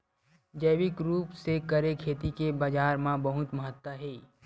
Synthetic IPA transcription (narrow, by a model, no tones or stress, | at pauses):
d͡ʒəɪʋɪkɾuːpsekəɾekʰeːt̪ikebaːd͡ʒaːɾmãbəɦʊt̪məɦət̪wəɦeː